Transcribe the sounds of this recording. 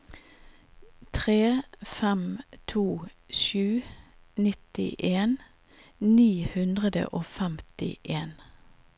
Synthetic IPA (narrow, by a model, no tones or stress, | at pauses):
t̪ʰʁeːfɛmt̪ʰuː | ʃʉː | nɪt̪ɪ̰ʔeːn | niːhʉnd̪ʁəd̪ə̰ʔoːfɛmt̪ɪ̰ʔeːn